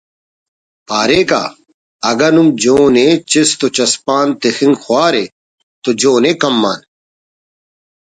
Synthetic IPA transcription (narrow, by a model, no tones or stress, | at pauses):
paːɾeːka̰ː | ɐɡɐnumd͡ʑoːnet͡ɕist̪ot͡ɕɐspaːnt̪exĩŋɡxwaːɾe | t̪od͡ʑoːnekɐmːaːn